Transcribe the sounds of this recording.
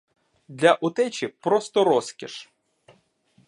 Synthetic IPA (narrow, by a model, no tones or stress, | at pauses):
d̪lʲɐʔʊt̪ɛt͡ʃʲipɾɔst̪ɔɾɔskʲḭʃ